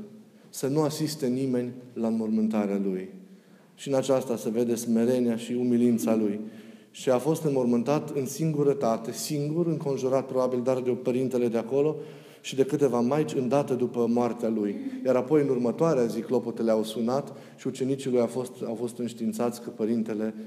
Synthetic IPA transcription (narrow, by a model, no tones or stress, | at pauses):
sənuasist̪e̞nime̞nʲlaɨnmo̞rmɨnt̪aɾealuj | ʃiɨnat͡ʃast̪ase̞ve̞d̪e̞sme̞ɾe̞neaʃiumilint̪saluj | ʃiafo̞st̪ɨnmo̞rmɨnt̪at̪ɨnsiŋɡuɾət̪at̪e̞siŋɡuɾɨŋko̞nʒuɾat̪̚pɾo̞babild̪ard̪epəɾint̪e̞le̞d̪eako̞lo̞ | ʃid̪e̞kɨt̪e̞vamajt͡ʃʲɨnd̪at̪ed̪upəmoart̪ealujjaɾapo̞jɨnurmət̪oaɾeaziklo̞pot̪eleawsunat̪ | ʃiut͡ʃe̞nit͡ʃilujafost̪awfo̞st̪ɨnʃt̪iːnt̪sat̪sʲkəpəɾint̪e̞le̞